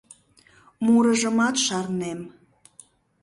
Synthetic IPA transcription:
muɾəʒəmɑt̪ʃɑrnem

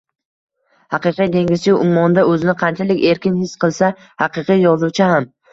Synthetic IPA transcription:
hɑqɨqijd̪e̞ŋʲɪz̥t͡ʃɪʊmːɒnd̪aɵzɪnɪqʰɑnt͡ʃʰalɪkʲe̞ɾkʲɪnhɪsqʰɨlˠsa | hɑqɨqɨjjɒzuwt͡ʃʰɪham

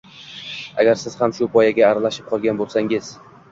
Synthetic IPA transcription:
a̰ɡʲaɾsɪz̥hamʃʊpʰɒjaɡʲaːɾalaʃɪ̥p̚qʰɒlˠɡʲanbolˠsaŋɪz̥

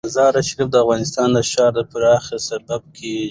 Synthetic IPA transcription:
zɑɾaʃɾifd̪əafɣɑnɪst̪ɑnd̪əʃɑɾd̪əpʊɾɑxesabab̚kʰe

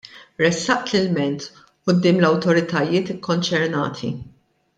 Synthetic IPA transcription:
ɾɛsːɐʔt̪lɪlmɛnt̪ | ʔʊd̪ːɪːmlɐwt̪ɔɾɪt̪ɐjɪːt̪ɪkːɔnt͡ʃɛɾnɐ̰ːt̪ʰḭ

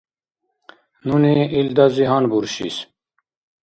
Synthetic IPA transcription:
nuneild̪aziɦɑnbuɾɕḭs

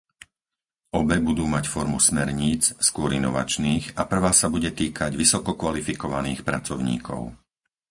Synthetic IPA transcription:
ɔbɛbud̪uːmacfɔɾmṵsmɛɾɲiːt͡sskʊɔɾinɔʋa̰t͡ʃniːɣapr̩ʋaːsabuɟɛt̪iːkʰaɟʋisɔkɔkʋalifikɔʋaniːxpɾat͡sɔʊɲḭːkʰɔ̰ʊ

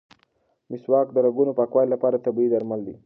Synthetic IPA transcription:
mɪswɑkd̪əɾaɡunopɑkwɑjlːapɑɾat̪abid̪aɾmald̪i

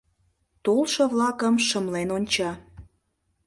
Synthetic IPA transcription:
t̪olˠʃɤ̆βlɑkəmʃə̆mlenonʲt͡ɕɑ

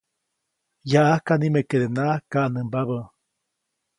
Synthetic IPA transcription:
jaʔakanimekeɾenakaʔnəmbaβə

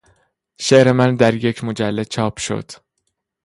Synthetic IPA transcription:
ʃeʔɾemænd̪æɾje̞cʰmod͡ʒælːet͡ʃʰɒːpʰʃo̞̰d̪̥

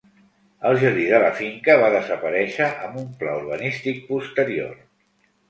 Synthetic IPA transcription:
əlˠʒəɾðiðələfiŋkəβ̞aðəzəpəɾɛʃəʔəmbumpla̰uɾβ̞ənist̪ik̚pust̪əɾio̰r

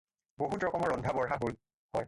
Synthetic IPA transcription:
boɦutɹɔkɔmɔɹːɔndʱabɔɹxaɦol | hɔj

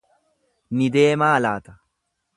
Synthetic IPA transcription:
nɪd̪e̞ːmaːlaːt̪ɐ̥

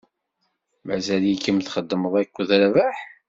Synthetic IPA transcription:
mæ̰zæljikːəmθχəd̪ːəməðˤækʷːðɾvaħ

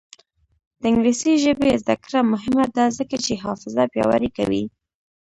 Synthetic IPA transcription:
d̪̥əɪŋɡlisiʒəbezd̪akɾamʊɦɪmad̪ɑzəkat͡ʃeɦɑfɪzabjɑ̰wa̰ɾika̰wḭ

